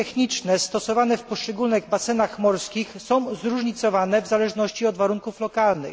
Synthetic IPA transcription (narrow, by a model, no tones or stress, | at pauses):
t̪ɛxɲit͡ʂnɛsst̪ɔsɔvanɛfpɔʂt͡ʂɛɡulnɘɣbasɛnaxmɔɾskʲixsɔ̃w̃zɾuʐɲit̪sɔvanɛvzalɛʐnɔɕt͡ɕiɔd̪vaɾuŋkuflɔkalnɘ̰